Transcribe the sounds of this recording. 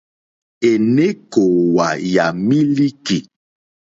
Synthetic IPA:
e˨ne˦ko˨wa˨ja˨mi˦li˦ki˨

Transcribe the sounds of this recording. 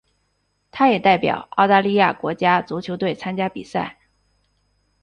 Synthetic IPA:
t̪ʰa˥jɛ˨˩t̪a˥˩ɪpjɑ̰˨˩ʊɑ˥˧ʊt̪a˥˧li˥˧ja̰˥˩kwɔ˧˥t͡ɕja˥t͡su˧˥t͡ɕʰjo˧˥ʊt̪we˥˩ɪt͡sʰa˥nt͡ɕja˥pi˨˩sa̰˥˩ɪ

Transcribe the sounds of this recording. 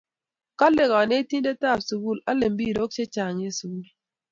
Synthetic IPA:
ka˦le˨ɣɔ˨ne˦ti˦n˦de˦ta˦˨psu˨wu˦˨la˦le˨m̩˦bi˦˨ɾo˦k̚t͡ʃe˦t͡ʃa˨ɲe˦su˨wu˦l

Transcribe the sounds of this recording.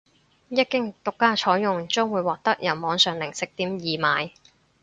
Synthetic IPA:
jɐ˥t̚kɪ˥ŋt̪ʊ˨kːaː˥t͡ʃʰɔː˨˥jjʊ˨ŋt͡sœː˥ŋwuː˨˧jwɔː˨k̚t̪ɐ˥k̚jɐ˨˩wmɔː˨˧˥ŋsœː˨ŋlɪ˨˩ŋsɪ˨k̚t̪iː˨˥mjiː˨maː˨˧j

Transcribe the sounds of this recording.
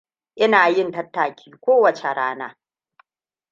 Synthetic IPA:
ʔɪ˦naː˨jɪ˦ntɐ˦tːaː˨kʲʰi̥ː˦kʷoː˦wɐ˨t͡ʃe˨ɽaː˦na̰ː˦

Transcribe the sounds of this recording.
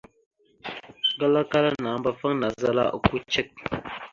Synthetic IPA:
ɡə˦la˦ka˦ɾa˦na˨˦mbɐ˦˨fə˦ŋna˨zə˦la̰˦ʔə̰˨ku˦t͡ʃə˦k̚

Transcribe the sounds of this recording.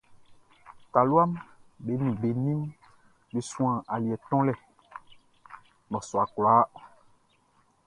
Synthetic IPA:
ta˨lu˦a˦mbe˨˦nũ˨be˨nĩ˦m | be˨sũ˦ã˨ʔa˨li˨ɛ˨t̪ɔ̃˦lɛ˨ | nɔ̃˨sɔ˨a˨kla˨˦

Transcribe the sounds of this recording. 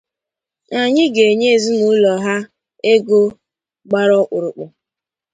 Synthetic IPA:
a˨ɲɪ˦ɡe˨ɲe˦˨zi˦nu˦lɔ˨ɦa˦ | e˦ɡo˦ | ɡ͡ba˦ɾɔ˦k͡pʊ˨ɾʊ˨k͡pʊ˨

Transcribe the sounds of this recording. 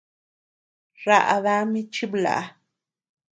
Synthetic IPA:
ɾa̰˧ʔða˦mi˦t͡ʃi˦bla̰˨˦

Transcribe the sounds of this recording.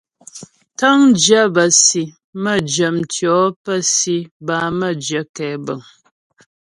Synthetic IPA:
ta˦ŋd͡ʒjə˦bə˨si˨ | mə˦˨d͡ʒə˨mtjɔ˨˦pə˦si˦ba˨˦mə˦˨d͡ʒə˨˦kɛː˨˦bə˨ŋ

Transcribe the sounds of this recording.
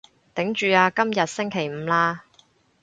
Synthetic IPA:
t̪ɪ˨˥ŋt͡ʃyː˨˧aː˧kɐ˥mjɐ˨t̚sɪ˥ŋkʰe˨˩jm̩ː˨˧laː˥

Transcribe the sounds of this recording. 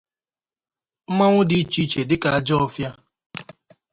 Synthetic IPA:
m̩˦ma˦ŋʷʊ˦di˨˦t͡ʃi˦t͡ʃe˨dɪ˦ka˨a˨d͡ʒɔ˦fja˦

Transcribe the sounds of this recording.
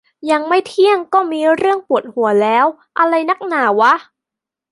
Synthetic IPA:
ja˧ŋma˥˩jt̪ʰi˥˩əŋkɔː˥˩miː˧ɾɯ˥˩əŋpu˨˩ət̪̚hu˩˦ɐlɛː˦˥w | ʔa˧ɾa˧jna˦˥k̚naː˩˦wa˦˥

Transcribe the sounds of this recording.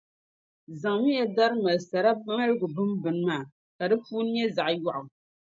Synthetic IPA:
za˨ŋmi˦ja˨da˦ɾɨ˦ma˨lsa˨ɾa˦ma˦lɡʊ˨bɨ˦mbɨ˨n˦maː˨ | ka˨dɨ˦fuː˦n˦ɲɛ˦za˨ʔjɔ˦ʔʊ˨m

